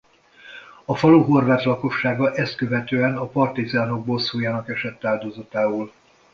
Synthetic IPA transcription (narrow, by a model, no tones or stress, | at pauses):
ɒfɒluɦo̞rvaːt̪lɒko̞ʃːaːɡɒʔɛst̪kø̞vɛt̪øːɛnɒpɒrt̪izaːno̞ɡ̚boːlsuːjaːnɒkɛʃɛt̪ːaːld̪ozɒt̪aːoːl